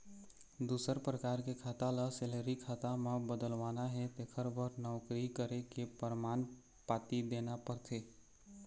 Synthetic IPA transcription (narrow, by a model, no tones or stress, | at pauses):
d̪usəɾpɾəkaɾkekʰat̪aləseleɾikʰat̪amãbəd̪əlʋanaɦɛt̪ekʰəɾbəɾnɔwkɾikəɾekepəɾman | pat̪id̪enapəɾt̪ʰe